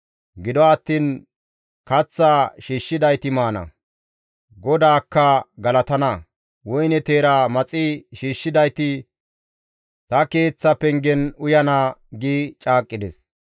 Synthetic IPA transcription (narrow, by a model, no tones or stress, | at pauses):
ɡɪd̪ɔːt̪ːiːn | kɐt͡sːaːʃiːʃːɪd̪ɐjt̪ɪmaːnɐ̰ | ɡɔd̪aːkːɐɡɐlɐt̪ɐnɐ | wɔjnɛt̪e̞ːɾaːmɐt͡sʼɪʃiːʃːɪd̪ɐjt̪ɪ | t̪ɐke̞ːt͡sːɐpɛŋɡɛnʊjɐnaːɡiːt͡ʃʼaːkʼːɪd̪ɛs